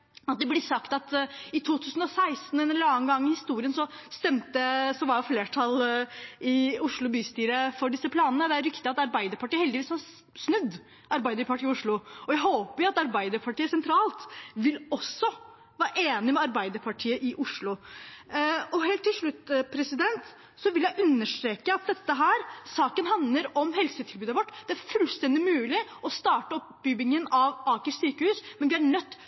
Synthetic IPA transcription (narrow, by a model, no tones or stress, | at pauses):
ɑt̪̚d̪ɛblɪsɑkt̪ɑt̪ɪt̪ʰuːt̪ʰʉːsənɔsæɪst̪n̩ɛnlɑŋɡɑŋːɪhɪst̪uːɾɪənsɔst̪ɛmt̪əsɔʋɑɾjʊfleːʈʰɑl | ɪʊʂɭʊbyːst̪yːɾəfɔɖɪsːəpʰlɑːnnəd̪ɛæɾʏkt̪əɑt̪ɑɾbæɪd̪əɾpʰɑʈiːəhɛld̪ɪʋiːshɑɾ | snʉd̪ː | ʔɑɾbæɪd̪əɾpɑʈiːɪʊʂɭʊɔjæɪhoːpəɾjʊɑt̪ɑɾbæɪd̪əɾpʰɑʈiːəsɛnt̪ʰɾɑːlt̪ʋɪlɔsːɔ | ʋæːɾəʔeːnɪmɛɑɾbæɪd̪əɾpʰɑʈʰiːəʔɪʔʊʂɭʊ | ɔɦeːlt̪ʰːɪlʂɭʉt̪ːpʰɾɛsɪd̪ɛnt̪ | sɔʋɪljæɪʔʉnːəʂt̪ɾeːkəɑt̪̚d̪ɛt̪ːəɦæːɾsɑːkənɦɑnləɾɔmɦɛlsət̪ʰɪlbʉːd̪əʋɔʈːd̪ɛæɾfʉlst̪ɛnd̪ɪmʉːlɪʔɔst̪ɑːʈəɔpbybɪŋənɑʋɑːkəʂsyːkəhʉːsmɛnʋɪæɳœt̪ː